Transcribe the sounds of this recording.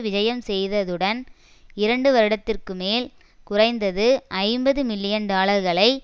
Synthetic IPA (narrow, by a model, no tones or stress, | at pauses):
ʋɪd͡ʒɐjɐmsɛjðɐðɯɽɐn | ɪɾɐɳɖɯʋɐɾɯɽɐt̪ːɪrkɯmeːl | kʊrɐɪnd̪ɐðɯʔɐɪmbɐðɯmɪlːɪjɐndaːɭɐɾɣɐɭɐɪ